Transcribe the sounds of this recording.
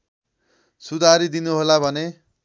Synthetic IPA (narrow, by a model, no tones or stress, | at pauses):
sud̪ʱaɾid̪inuɦolabʱʌne